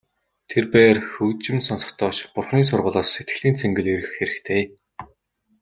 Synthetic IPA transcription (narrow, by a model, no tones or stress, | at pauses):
t̪ʰerpæːrxɵkt͡ɕɪ̆msɔnsɞ̆χt̪ʰɔːt͡ɕpʊrχniːs̬ʊrʁʊːɮɔːsːet̪ɡɘ̆ɮiːnt͡sʰeŋɡɘ̆ɮeɾɘ̆xːeɾɘ̆kt̪ʰeː